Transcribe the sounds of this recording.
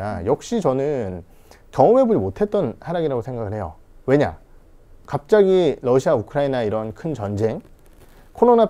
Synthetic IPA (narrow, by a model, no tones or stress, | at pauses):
ajʌk̚ɕ͈it͡ɕʌnɯn | kjʌɯme̞bud͡ʑimotʰe̞t̚t͈ʌnhaɾaɡiɾaɡosʰeŋɡaɡɯɭɦhe̞jo̰ | we̞ɲa̰ | kap̚t͡ɕ͈aɡiɾʌɕʰiaukʰɯɾainaiɾʌnkʰɯnt͡ɕʌnd͡ʑe̞ŋ | kʰoɾona